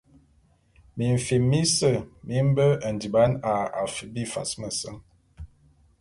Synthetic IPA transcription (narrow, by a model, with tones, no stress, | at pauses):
mi˨ɱ̩˨fi˨mːi˦sə˦˨mi˦m˦bə˦ə˨ndi˨ba˨˦na˨a˨fə˨bi˦fa̰˨smə˨sə˦ŋ